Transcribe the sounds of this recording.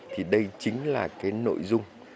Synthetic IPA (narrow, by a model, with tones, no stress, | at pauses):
t̪ʰi˨˩ɗə˧jt͡ɕï˨˦ŋ̟laː˨˩kaː˨˦jno̰˧˨jzʊ˧ŋ͡m